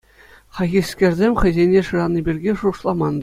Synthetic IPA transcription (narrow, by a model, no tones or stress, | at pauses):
χɑɣʲiskʲerʲzʲemʲχʲɘ̆zʲenʲeʂɯrɑnɯbʲirʲɡʲeʂuʂlˠɑmɑnd̪ɤ